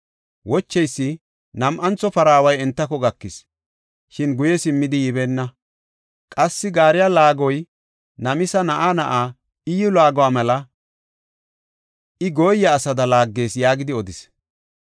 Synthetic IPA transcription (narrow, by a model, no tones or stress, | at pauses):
wɔt͡ʃːɛjsːɪ | nɐmʔɐnt͡sːɔpɐɾaːwɐjɛnt̪ːɐkɔɡɐkːɪs | ʃɪnɡʊjɛsɪmːɪd̪ɪjɪβeːnːɐ | kʼɐsːɪɡaːɾɪjalaːɡɔj | nɐmɪsɐnɐʔaːnɐʔaː | ɪjʊlaːɡɔwaːmɛlɐ | ɪɡoːjːɐːsɐd̪ɐlaːɡːe̞ːsjaːɡɪd̪ɪɔd̪ɪs